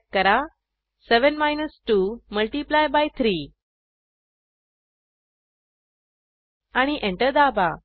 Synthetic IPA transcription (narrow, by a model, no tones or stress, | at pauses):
kəɾa | seʋənmajnəsʈuməlʈiplajbajt̪ʰɾiː | aɽ̃iʔẽɳʈəɾd̪aba